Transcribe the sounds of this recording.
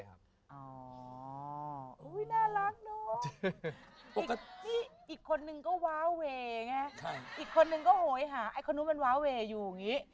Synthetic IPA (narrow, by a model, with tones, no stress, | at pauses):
a˦˥ | ʔɔː˧˩ | ʔu˨˦˥jnaː˥˩la˦˥ŋnɔː˦˥ | po˨˩kːa˧iː˥˩ʔiː˨˩kʰːo˧nːɯ˧ŋkɔː˥˩waː˦˥weː˧a˧ŋa˧˥kʰʔiː˨˩kʰːo˧nːɯ˧ŋkɔː˥˩hoː˨˩˦jɦaː˩˦ʔa˧˩jkʰo˧nːuː˦˥ma˧nwaː˦˥weː˧juː˨˩a˨˩ŋiː˦˥